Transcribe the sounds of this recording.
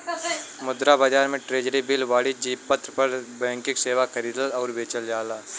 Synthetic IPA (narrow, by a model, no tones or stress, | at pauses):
mʊd̪ɾabad͡ʒaːɾmẽʈɾeːd͡ʒɾibɪlʋaːɽid͡ʒiːpːət̪ɾpɐɾbɛ̃ːŋkɪkseːʋakɐɾiːd̪əlɔːɾbeːt͡ʃəld͡ʒaːlaː